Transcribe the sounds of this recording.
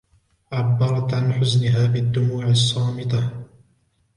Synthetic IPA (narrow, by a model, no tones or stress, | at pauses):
ʕabːɑɾˤɑt̪ʕanħʊznɪɦaːbɪd̪ːʊmuːʕɪsˤːɑːmɪt̪ˤɑ